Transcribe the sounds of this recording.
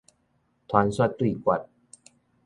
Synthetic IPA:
t̪ʰɔː˧˦nswa˧˩t̪ːɾiː˨˩kwa˨˩t̪̚

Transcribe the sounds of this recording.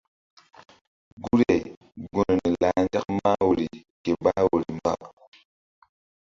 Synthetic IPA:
ɡu˦ɾe˨ | ɡu˨nə˨ni˨la˨˦n˦d͡ʒa˦k̚ma˦wo˨ɾi˨ | ke˨ba˦wo˨ɾi˨mba̰˦˨

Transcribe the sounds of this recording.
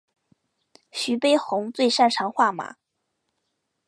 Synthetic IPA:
ɕy˧˥pe˥ɪxʊ˧˥ŋt͡swe˥˧ɪʂa˥˩nʈ͡ʂʰɑ˧˥ŋxwa˥˩ma̰˨˧˥

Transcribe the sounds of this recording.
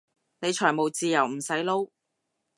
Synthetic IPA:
ne˨˧jt͡ʃʰɔː˨˩jmo˨˩wt͡siː˧jɐ˨˩wm̩˨˩sɐ˨˥jlo˧˥w

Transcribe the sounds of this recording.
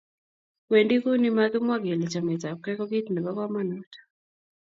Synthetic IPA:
we˨ndi˦ku˦ni˦ma˦ɡɪ˦mwa˦ɡe˨lɛ˨t͡ʃa˨mɛ˨ta˨kɛ˦kɔ˦ɡi˦tnɛ˨ba˦kwa˦ma˦nɔ˦tɔ̥

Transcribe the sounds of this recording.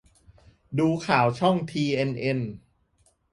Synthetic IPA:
duː˧kʰaː˩˦wt͡ɕʰɔ˥˩ŋt̪ʰiː˧ʔe˧nʔe˧n

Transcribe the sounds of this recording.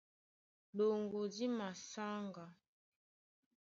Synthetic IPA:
lo˨ŋɡo˨di˦ma˨sa˦ŋɡa˨

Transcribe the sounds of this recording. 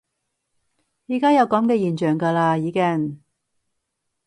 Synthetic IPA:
jiː˨kaː˥jɐ˨˧wkɐ˨˥mkɛː˧jiː˨˩nt͡ʃœː˨˩ŋkaː˧laː˧jiː˨˥kɪ˥˩ŋ

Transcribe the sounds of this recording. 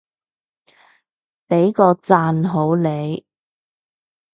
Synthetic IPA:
pe˨˥jkɔː˧t͡saː˧nɦo˨˥wle˨˧j

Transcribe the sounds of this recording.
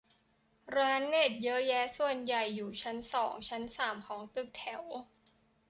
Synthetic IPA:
ɾaː˦˥nːeː˥˩t̪̚jɤ˦˥jɛː˦˥su˨˩ənja˨˩jːuː˨˩t͡ɕʰa˦˥nsɔː˩˦ŋt͡ɕʰa˦˥nsaː˨˩mkʰɔː˩˦ŋt̪ɯ˧˩k̚t̪ʰɛ˨˩˦w

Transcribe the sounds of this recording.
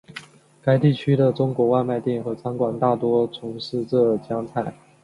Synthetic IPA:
ka˥ɪt̪i˥˩t͡ɕʰy˥d̪ə˨ʈ͡ʂʊ˥ŋkwɔ˧˥wa˥˧ɪma˥˧ɪt̪jɛ˥˩nxɤ˧˥t͡sʰa˥ŋkwa˨˩nt̪a˥˩t̪wɔ˥t͡sʰʊ˧˥ŋʂɻ̩˥˧ʈ͡ʂɤ˥˧˩t͡ɕjɑ˥ŋt͡sʰa˥˩ɪ

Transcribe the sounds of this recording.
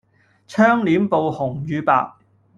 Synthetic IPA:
t͡ʃʰœː˥ŋliː˨˥mpo˨whʊ˨˩ŋjyː˨˧pa̰ː˧˨k̚

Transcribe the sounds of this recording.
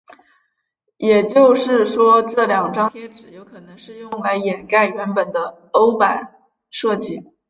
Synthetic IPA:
jɛ˨˩t͡ɕjo˥˧ʊʂɻ̩˥˩ʂwɔ˥ʈ͡ʂ̩ɤ˥˩ljɑ˨˩ŋʈ͡ʂɑ˥ŋt̪ʰjɛ˥nʈ͡ʂɻ̩˨˩jo˧˥ʊkʰɤ˨˩nɤ˧˥ŋʂɻ̩˥˧jʊ˥˩ŋla˧˥ɪjɛ˨˩nka˥˩ɪɥɛ˧˥npə˨˩nd̪ə˦ | o˥ʊpa˨˩n | ʂɤ˥˩t͡ɕi˥˩

